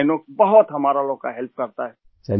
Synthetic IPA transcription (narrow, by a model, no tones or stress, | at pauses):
nokbɐɦʊt̪ɦɐmaːɾaloːɡ̚ka̰ɦɛlp̚kɐɾt̪aɦɛː | t͡ʃɐ